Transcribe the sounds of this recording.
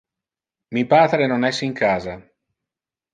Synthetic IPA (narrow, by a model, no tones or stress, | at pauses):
mipaːt̪ɾenonɛsːiŋkʰaːza